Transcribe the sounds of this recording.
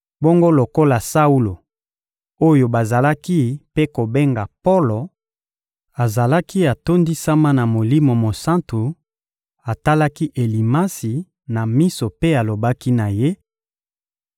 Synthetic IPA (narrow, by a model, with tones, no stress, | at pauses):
bo˦ŋɡo˦lo˨ko˦la˨sa˦u˦lo˨ | o˦jo˨ba˨za˨la˦ki˦pe˦ko˨be˦ŋɡa˨po˦lo˨ | a˨za˨la˦ki˦a˨to˦ndi˦sa˦ma˦na˨mo˨li˦mo˨mo˨sa˦ntu˨ | a˨ta˦la˦ki˦ʔe˨li˨ma˦si˨ | na˨mi˦so˨pe˦a˨lo˨ba˦ki˦na˨je˦